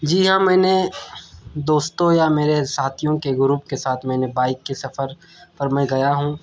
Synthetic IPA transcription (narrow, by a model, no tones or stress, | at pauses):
d͡ʒiːɦãmɛːne | d̪oːst̪õjameːɾesaːt̪ʰijõkeɡʊɾuːpkesaːt̪ʰmɛ̃ːnebaːɪkːesɐfəɾ | pɐɾmɛ̃ɡɐjaɦũː